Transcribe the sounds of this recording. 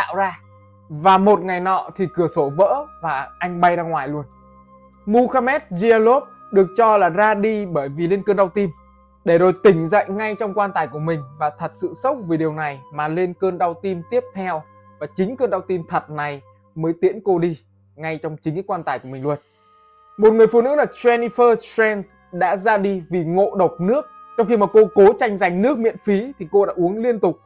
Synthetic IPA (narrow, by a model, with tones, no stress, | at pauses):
t̪a̰ː˧˨wzaː˧ | vaː˨˩mo˨˩t̚ŋa˨˩jnɔ̰˧˨t̪ʰi˨˩kɨ˧˩əso˧˩və̰ː˧˥vaː˨˩ʔa˧jŋ̟ɓa˧jzaː˧ŋwaː˨˩jlu˧ən | mu˧xaː˧mɛ˦˥t̚zi˧lo˦˥p̚ɗɨ˨˩ək̚t͡ɕɔ˧laː˨˩zaː˧ɗi˧ɓəː˧˩jvi˨˩le˧nkəː˧nɗa˧wt̪i˧m | ɗe˧˩zo˨˩jt̪ï˧˩ŋ̟zə̰˧˨jŋŋa˧jt͡ɕɔ˧wŋ͡mkwaː˧nt̪aː˨˩jku˧˩əmï˨˩ŋ̟vaː˨˩t̪ʰə˨˩t̚sɨ̰˧˨sə˦˥wk͡p̚vi˨˩ɗi˨˩əwna˨˩jmaː˨˩le˧nkəː˧nɗa˧wt̪i˧mt̪i˦˥əp̚t̪ʰɛ˧w | vaː˨˩t͡ɕï˨˦ŋ̟kəː˧nɗa˧wt̪i˧mt̪ʰə˨˩t̚na˨˩j | məː˨˦jt̪i˨˧˥ənko˧ɗi˧ | ŋa˧jt͡ɕɔ˧wŋ͡mt͡ɕï˨˦ŋka˨˦kwaː˧nt̪aː˧˩jku˧˩əmï˨˩ŋlwə˨˩t̚ | mo˨˩t̚ŋɨ˨˩əjfṵ˧˨nɨ̰˧˥laː˨˩t͡ɕɛ˧ni˧fəː˧fɹɛ˧ns | ɗa̰ː˧˥zaː˧ɗi˧vi˨˩ŋo̰˧˨ɗə˨˩wk͡p̚nɨ˦˥ək̚ | t͡ɕɔ˧wŋ͡mxi˧maː˨˩ko˧ko˨˦t͡ɕa˧jŋ̟za˨˩jŋ̟nɨ˦˥ək̚mḭ˧˨ənfi˨˦t̪ʰi˨˩ko˧ɗa̰ː˧˥ʔu˨˦əŋli˧ənt̪ʊ˨˩k͡p̚